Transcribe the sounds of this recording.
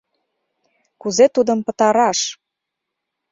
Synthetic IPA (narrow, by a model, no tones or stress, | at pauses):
kuzet̪ud̪ə̆mpə̆t̪ɑɾɑʃ